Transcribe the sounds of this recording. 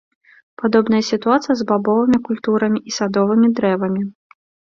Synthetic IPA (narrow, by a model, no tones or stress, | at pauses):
pad̪ɔbn̪ɐjɐsʲit̪uat̪sɨjɐzbabɔvɨmʲikulʲt̪uɾɐmʲiʔisad̪ɔvɨmʲid̪ɾɛvɐmʲi